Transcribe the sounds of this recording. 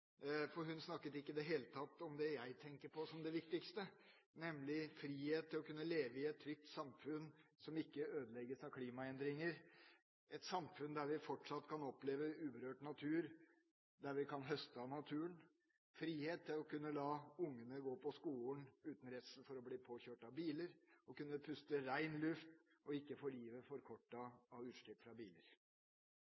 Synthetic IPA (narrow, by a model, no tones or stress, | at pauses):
fɔɾɦʉnsnɑkːət̪ɪkːəd̪ɛɦeːlət̪ʰɑt̪ːɔmd̪ɛjæɪt̪ʰɛŋkəɾpʰɔsɔmd̪ɛʋɪkt̪ɪkst̪ənɛmlɪfɾiːheːt̪ʰːɪlɔkʰʉnːəleːʋəɪɛt̪ʰːɾʏk̚t̪sɑmfʉnsɔmɪkːəøːd̪əlɛɡəsɑʋkʰliːmɑɛnd̪ɾɪŋəɾ | ɛt̪sɑmfʉnd̪æɾʋɪfɔʈʂɑt̪ːkʰɑnɔpleːʋəʉːbəɾøːʈnɑt̪ʰʉːɾ | d̪æɾʋɪkʰɑnɦœst̪əɑnɑt̪ʰʉːən | fɾiːheːt̪ʰːɪlɔkʉnːəlɑːʊŋːənəɡoːpʰɔskuːlənʉːt̪n̩ɾɛt̪sn̩fɔɾɔbliːpʰoːçøːʈɑʋbiːləɾɔkʉnːəpʰʉst̪əɾæɪnlʉft̪ɔɪkːəfoːɾjiːʋəfɔɾkʰɔʈːəɑʋʉːʂʈ̪ɪkfɾɑbiːlə̰ɾ